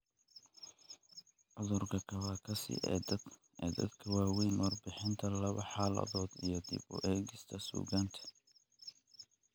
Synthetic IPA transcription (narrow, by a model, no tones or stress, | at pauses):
ʕʊðʊrkʰɐkʰɐβaːkʰɐsɪ̰ʔɛ̰ːd̪ | ɛːd̪ɐ̰d̪kʰɐwɑːwɛjnʔɔːrbɪħɪnt̪ʰɐlɐβɐħaːlɐ̰ðɔːd̪ijɞd̪ɪ̰bʊ̰ʔɛːɣɪst̪ʰɐsṵːɣaːnt̪ʰɐ̥